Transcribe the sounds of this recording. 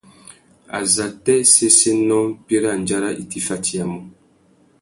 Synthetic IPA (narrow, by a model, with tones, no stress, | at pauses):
a̰˨za˨tɛ˦se˦se˦nɔ˦pje˦ɾa˦˨n˨d͡ʒa˦ɾa˦ʔi˨ti˦fa˦ti˦a˨mɔ˦